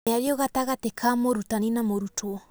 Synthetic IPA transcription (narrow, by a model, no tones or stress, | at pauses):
eaɾiɔɣataɣatekʰamoɾutaninamoɾutoɔ